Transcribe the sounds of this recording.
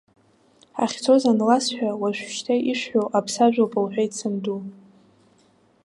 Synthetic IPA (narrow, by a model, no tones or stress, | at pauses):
a̰χʲt͡sʰo̞zanlasħʷᶣawaʃʷᶣʃtʰajʔiʂʷħowʔapʰsaʒʷᶣapʼɨlħʷᶣait͡sʰɨmdu